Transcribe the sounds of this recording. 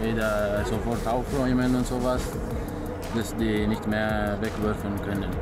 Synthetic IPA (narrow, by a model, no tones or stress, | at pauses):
veːdɐzofɔʁtaʊfʁɔʏmənʊntz̥oːvas | d̥asd̥iːnɪçtmeːɐvɛkv̥ʏɐfl̩nkʰœnən